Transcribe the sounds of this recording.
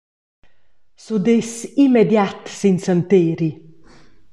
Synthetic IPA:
sud̪esimɛd̪jat̪sinsant̪eːɾi

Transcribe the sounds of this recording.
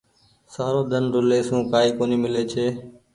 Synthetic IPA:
saːɾoːd̪ʱənɾʊleːsũːkaːiːkoːniːmɪleːt͡ʃʰeː

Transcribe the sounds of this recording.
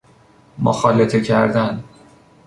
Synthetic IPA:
mo̰xɒːlet̪ʰecʰæɾd̪æn

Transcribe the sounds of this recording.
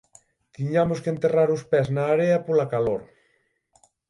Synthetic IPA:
t̪iɲamoskent̪eraɾʊspɛznaːɾeɐpolakaloɾ

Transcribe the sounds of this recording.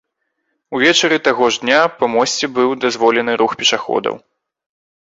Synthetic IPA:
uvʲɛt͡ʂɐɾɨt̪aɣɔʐd̪nʲapɐmɔsʲt͡sʲɛbɨwd̪azvɔlʲɛnɨɾuxpʲɛʂaxɔ̰d̪ɐ̰w

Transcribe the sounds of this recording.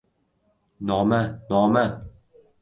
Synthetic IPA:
nɒːmanɒːma

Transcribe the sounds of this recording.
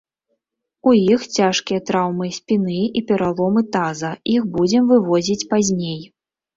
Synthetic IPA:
ujixt͡sʲaʂkʲijɐt̪ɾawmɨsʲpʲinɨipʲɛɾalˠɔmɨt̪azɐjixbud͡zʲɛmvɨvɔzʲit͡sʲpazʲnʲej

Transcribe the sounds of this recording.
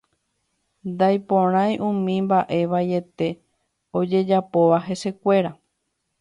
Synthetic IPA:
nd̪ajpõɾ̃ãj̃ʔũmĩmbaʔe̞ʋaje̞t̪e̞ | o̞d͡ʒe̞d͡ʒapo̞ʋaɦe̞se̞kʷe̞ɾa

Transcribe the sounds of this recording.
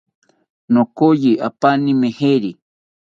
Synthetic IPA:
nokojiʔapanimeheɾi

